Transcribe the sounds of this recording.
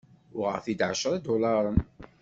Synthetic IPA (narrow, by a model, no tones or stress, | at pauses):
ʊʁə̰ɾθid̪ʕə̰ʃəɾˤid̪ʊlɑɾˤən